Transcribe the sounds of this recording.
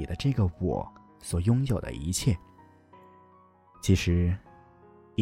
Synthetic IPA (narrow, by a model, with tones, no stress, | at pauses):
i˨˩d̪ə˦ʈ͡ʂɤ˥˩ɡə˩wwɔ̰˨˩˦ | swɔ˨˩jʊ˥ŋjo˨˩ʊd̪ə̰˦ʔi˧˥t͡ɕʰjɛ˥˩ | t͡ɕʰi˧˥ʂɻ̩˧˥˧